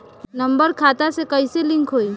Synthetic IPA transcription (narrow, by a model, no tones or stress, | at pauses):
nɐ̃mbəɾkʰaːt̪asekəiselɪ̃ŋkʰɦoːiː